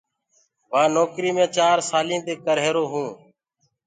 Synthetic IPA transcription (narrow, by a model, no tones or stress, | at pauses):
ʋãːnɔːkɾiːmẽːt͡ʃaːɾsaːlĩːt̪eːkəɾɦeːɾoːɦũː